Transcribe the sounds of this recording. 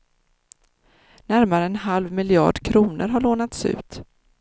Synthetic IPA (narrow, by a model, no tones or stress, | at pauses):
næɾmaɾəɛnɦalvmɪlɪɑ̰ːɖkʰɾuːnə̰ɾɦaɭoːnat̪sʉ̟̰ːt̪